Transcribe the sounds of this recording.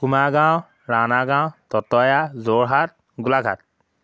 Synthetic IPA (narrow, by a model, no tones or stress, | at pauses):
kumaɡaw̃ | ɹanaɡawtɔtɔjazoɹɦat̚ | ɡulaɡʱa̰t̚